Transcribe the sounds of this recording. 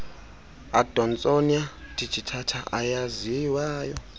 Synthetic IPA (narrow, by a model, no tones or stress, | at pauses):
ad̥ʱɔnt͡sʼoniatʼit͡ʃʰʼitʰatʰaʔajaziwaːjɔ